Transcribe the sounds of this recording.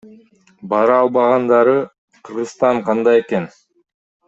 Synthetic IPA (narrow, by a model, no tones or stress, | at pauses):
bɑɾɑɑlˠbɑʁɑnd̪ɑɾɯ | qʰɯɾʁɯzst̪ɑɴqʰɑnd̪ɑje̞ke̞n